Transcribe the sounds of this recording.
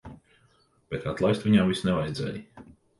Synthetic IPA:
b̥ɛt̪at̪lˠajst̪viɲamvisnɛvajd̪zʲɛ̰ːji

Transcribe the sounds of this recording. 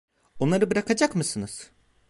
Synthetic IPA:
o̞nlˠaɾɯbɯɾakʰad͡ʒakmɯsɯnɯz̥

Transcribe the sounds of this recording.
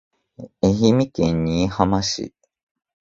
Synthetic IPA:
eɦimikẽɲːiːhamaɕḭ

